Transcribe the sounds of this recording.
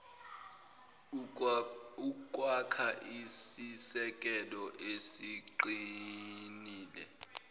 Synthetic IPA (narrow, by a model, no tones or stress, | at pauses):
ukʼwakʰaʔisisɛkʼɛlɔʔesiǃi | niːlɛ̰